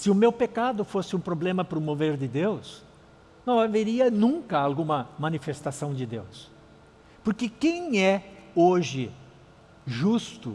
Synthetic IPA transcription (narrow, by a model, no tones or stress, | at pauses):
sɪʊmewpekad̪ʊfosɪũpɾoblẽmɐpɾʊmoveɾd͡ʒɪd̪ews | nɐ̃w̃aveɾiɐnũkɐawɡũmɐmɐ̃nifest̪asɐ̃w̃d͡ʒɪd̪ḛws | poɾkɪkẽj̃ɛoʒɪ | ʒust̪ʊ